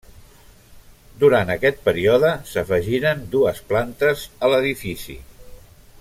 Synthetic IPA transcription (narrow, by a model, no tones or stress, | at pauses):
d̪uɾant̪əkɛt̪̚pəɾiɔðəsəfəʒiɾənd̪uəsplant̪əzələðifisḭ